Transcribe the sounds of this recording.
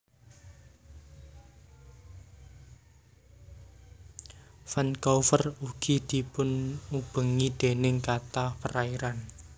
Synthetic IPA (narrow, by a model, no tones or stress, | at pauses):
fankɔfəruɡ̥id̪̥i̤pʊnub̥ə̤ŋid̪̥e̤nɪŋkat̪apəɾaiɾan